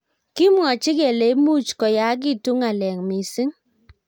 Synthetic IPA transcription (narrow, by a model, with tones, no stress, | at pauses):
kɪ˦mwɔ˨t͡ʃɪ˦ke˨le˨˦mu˦t͡ʃkɔ˨ja˨˦k̬ɪ˦˨tu˦ŋa˨lɛ˨ŋmi˨si˦ŋ